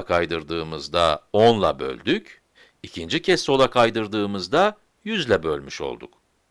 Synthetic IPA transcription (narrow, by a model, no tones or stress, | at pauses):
akʰajd̪ɯɾd̪ɯːmɯzd̪aonlˠa̰bø̞̰lʲd̪yc | icʰind͡ʒicʰɛsːo̞lˠakʰajd̪ɯɾd̪ɯːmɯzd̪a | jyzlʲɛbø̞lʲmyʃo̞̰lˠd̪ṵk̚